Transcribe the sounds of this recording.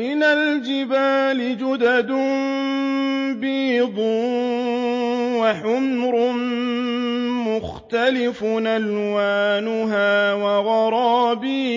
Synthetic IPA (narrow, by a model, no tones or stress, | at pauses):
mɪnald͡ʒɪbaːlɪd͡ʒʊd̪ad̪ʊm | biːd̪ˤu | waħʊmɾʊn | mʊxt̪alɪfʊnalwaːnʊɦaːwɑɣɑɾˤɑːbiː